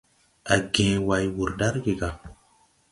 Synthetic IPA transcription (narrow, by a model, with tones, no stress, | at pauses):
a˨ɡẽː˨wa˨jwu˨ɾda˦ɾɡe˨ɡa˨